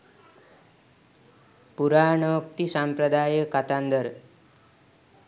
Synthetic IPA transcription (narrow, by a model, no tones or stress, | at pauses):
puɾaːɳokt̪isampɾəd̪aːjəkːat̪and̪əɾ